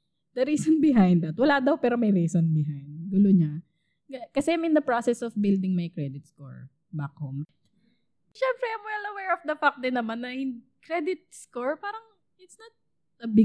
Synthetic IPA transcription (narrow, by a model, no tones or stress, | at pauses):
d̪̥ɐɾiːsonbɪɦãjnd̪ɐt̪wɐlad̪ɐwpɛːɾomɐjɾiːsɔnbɪɦajd̪ɡʊloɲa | ɡɐkɐsɛmɪ̃nd̪ɐpɹasɛsɔfbɪld̪ɪŋmɐjkɹɛd̪ɪt̪̚sko̰ɹ | bakom | ʃɛmpɾɛajmwɛlɐwɛɹɔfd̪ɐfak̚d̪ɪnːɐmanːɐʔɪnd̪ | kɾɛd̪ɪt̪̚skoɹpaːɾɐŋ | ɪt̪snɐt̪̚ | dɐbɪ